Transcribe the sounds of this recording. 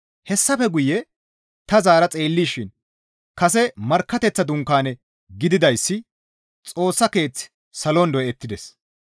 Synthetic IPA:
hɛsːɐfɛɡʊjɛ | t̪ɐzaːɾɐt͡sʼe̞ːlːiːʃɪn | kɐs̬ɛmɐɾkːɐt̪ɛt͡sːɐd̪ʊŋkːaːnɛ | ɡɪd̪ɪd̪ɐjsːɪ | t͡sʼo̞ːsːɐke̞ːt͡sː | sɐlɔnd̪ɔɛt̪ːɪd̪ɛs

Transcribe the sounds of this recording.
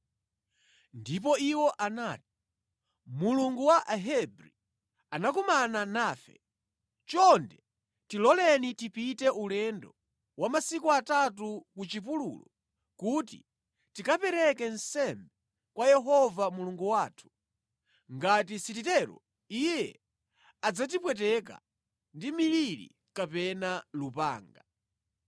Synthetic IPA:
ndip̬ɔiwɔʔanaːti̥ | muluŋɡuwaʔaɦɛbɾi | anakumananaːfɛ̰ | t͡ʃɔndɛ | tilɔlɛnitipitɛʔulɛndɔ | wʔamasikuatat̬ukut͡ʃip̬ulṵlɔ | kutḭ | tikapɛɾɛkɛnsɛmbɛ | kwajɛɦɔvamuluŋɡuwaːtʰu̥ | ŋɡatisit̬itɛɾɔ̰ | ijɛ | ad͡zat̬ipwɛt̬ɛk̬a̰ | ndimiliɾḭ | kapɛnalupa̰ːŋɡa

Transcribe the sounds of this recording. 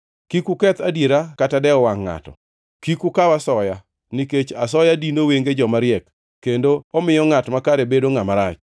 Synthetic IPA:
kikukɛt̪adjeɾakatadɛɔwaŋːa̰tɔ̰ | kikukawasɔja | niket͡ʃasɔjadinoweŋɡed͡ʒɔmaɾɪjɛkː | endoɔmɪjɔŋatmakaɾebedoŋamaɾat͡ʃ

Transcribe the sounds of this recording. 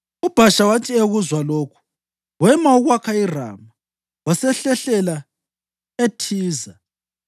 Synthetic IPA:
ub̥ʱaʃawatʰieɣuzwaloːkʰu̥ | ɣwɛmauɣwakʰaira̰ːma | wasɛɬɛɬɛla | etʰiːza

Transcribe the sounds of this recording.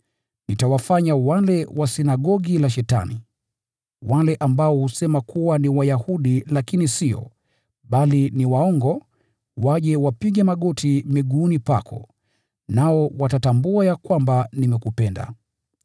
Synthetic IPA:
nitawafaɲawalɛwʔasinaɠɔɠilaʃ̬ɛta̰nḭ | walɛʔambaɔhusɛmakʰuwaniwajahuɗilakinisiɔ̰ | ɓaliniwaɔŋɡɔ | waʄɛwapiɠɛmaɠɔtʰimɛɠuːnipakʰɔ̰ | naɔwatatambuajakwambanimɛkupɛnda̰

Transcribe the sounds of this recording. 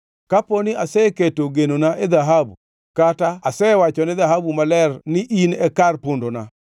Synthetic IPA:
kaponɪasɛketoɡenonaʔed̪aɦabṵ | kataasɛwat͡ʃɔnɪðaɦabumalɛrnɪʔinɛkarpondona̰

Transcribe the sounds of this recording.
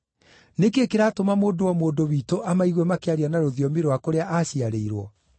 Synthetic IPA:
nekeːkeɾaːtomamoːdowamoːndowiːtoʔamaiɣwɛmakeaɾianaɾoðiɔmeɾowakoɾeaʔaɕiaɾeiɾwɔ

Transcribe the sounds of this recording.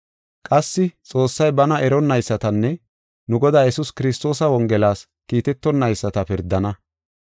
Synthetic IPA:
kʼɐsːɪt͡sʼo̞ːsːɐjbɐnɐʔɛɾɔnːɐjsːɐt̪ɐnːɛ | nʊɡɔd̪aːjɛsuskɪɾɪst̪o̞ːsɐwɔŋɡɛlaːs | kiːt̪ɛt̪ːɔnːɐjsːɐt̪ɐpɪɾd̪ɐnɐ

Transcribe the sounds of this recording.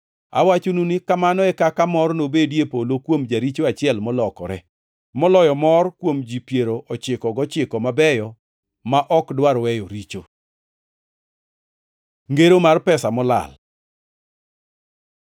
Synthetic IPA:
a̰wat͡ʃununɪkamanɔɛkakamɔrnobedjepolokwomd͡ʒaɾit͡ʃoat͡ʃɪɛlmɔlɔkɔɾɛ | mɔlɔjɔmɔrkwomd͡ʒipjeɾoʔɔt͡ʃɪkɔɡɔt͡ʃɪkɔmabɛjɔ | maʔɔkdwaɾwɛjoɾit͡ʃo | ŋɡeɾomarpɛsamɔla̰l

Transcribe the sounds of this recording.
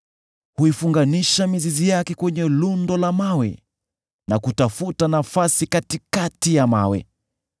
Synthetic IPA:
huifuŋɡaniʃamizizijakɛkwɛɲɛlundɔlamawɛ̰ | nakutafutanafasikatikatijama̰wɛ̰

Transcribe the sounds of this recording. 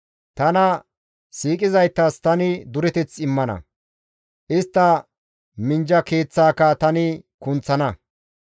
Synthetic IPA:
t̪ɐnɐ | siːkʼɪzɐjt̪ːɐst̪ɐnɪd̪ʊɾɛt̪ɛt͡sɪmːɐnɐ̰ | ʔɪst̪ːɐ | mɪnd͡ʒɐke̞ːt͡sːaːkɐt̪ɐnɪkʊnt͡sːɐnɐ

